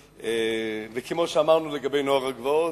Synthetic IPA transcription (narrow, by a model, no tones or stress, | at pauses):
evekʰemoʃeamaʁnuleɡabejnoaʁaɡvoo